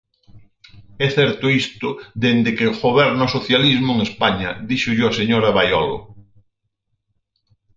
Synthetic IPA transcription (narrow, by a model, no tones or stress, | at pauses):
ɛθɛɾt̪ʊist̪ʊd̪end̪ɪkɪɣoβɛɾnaosoθjalizmʊeŋespaɲɐðiʃʊʎoɐseɲoɾɐβajɔ̰lʊ̰